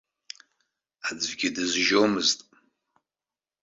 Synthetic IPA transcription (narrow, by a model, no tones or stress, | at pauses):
ad͡zvɡʲidɨzʒowmɨztʼ